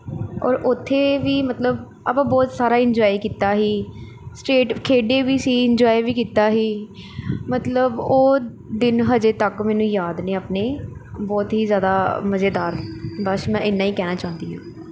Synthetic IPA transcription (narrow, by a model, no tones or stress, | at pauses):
ɔ̰ːɾʊt̪ʰːeːʋiːmət̪ləb | a̰pãːbɔːt̪saːɾaːɪɲd͡ʒɔːikiːt̪aːɦiː | sʈeːʈkʰeːɖeːʋiːsiːɪɲd͡ʒɔːiʋiːkiːt̪aːɦiː | mət̪ləboː | d̪ɪnɦəd͡ʒeːt̪əkmɛːnũːjaːd̪neːaːpneːbɔːt̪ɦiːzjaːd̪aːməzeːd̪aːɾbəsmɛ̃ːʔɪnːãːiːkɛːnaːt͡ʃãːnd̪iːɦã̰ː